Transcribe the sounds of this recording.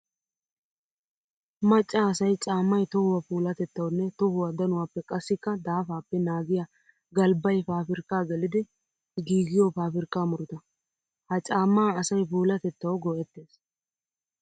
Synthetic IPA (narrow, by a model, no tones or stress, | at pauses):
mɐt͡ʃʼːaːsɐjt͡ʃʼaːmːɐjt̪ɔhʊwɐpuːlɐt̪ɛt̪ːɐwnːɛt̪ɔhʊwɐd̪ɐnʊwaːpːɛkʼɐsːɪkːɐd̪aːfaːpːɛnaːɡɪja | ɡɐlbɐjfaːfɪɾkaːɡɛlɪd̪ɪ | ɡiːɡɪjɔfaːfɪɾkːaːmʊɾʊt̪ɐ | hɐt͡ʃʼaːmːaːɐsɐjpuːlɐt̪ɛt̪ːɐwɡɔʔɛt̪ːe̞ːs